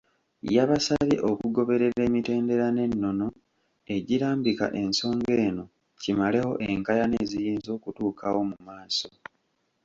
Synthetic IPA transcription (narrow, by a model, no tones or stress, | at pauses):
jaβasaβḭʔo̞kuɡo̞βe̞ɾe̞ɾe̞ːmite̞ːnde̞ɾane̞nːo̞no̞ | e̞ɟiɾaːmbika̰ʔe̞nso̞ːŋɡe̞ːno̞ | cimale̞ho̞ʔeŋkajane̞ːzijiːnzo̞ːkutuːkawo̞mumaːso̞̰